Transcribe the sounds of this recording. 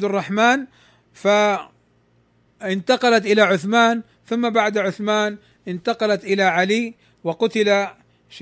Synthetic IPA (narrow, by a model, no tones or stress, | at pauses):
d̪ɑrˤːɑħmaːn | fa | ɪnt̪ɑqɑlat̪ʔɪlaʕʊθmaːn | θʊmːabaʕd̪ʕʊθmaːn | ʔɪnt̪ɑqɑlat̪ʔɪlaʕaliː | wɪqʊt̪ɪla | ʃ